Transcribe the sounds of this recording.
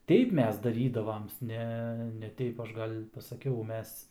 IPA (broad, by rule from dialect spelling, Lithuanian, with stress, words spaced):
ˈtʲɛɪp ˈmʲɛs dɐˈrʲiːdɐʋɐm ˈnʲɛ nʲɛ ˈtʲɛɪp ˈɐʃ ˈɡɐlʲ pɐsɐˈkʲɛʊ ˈmʲɛs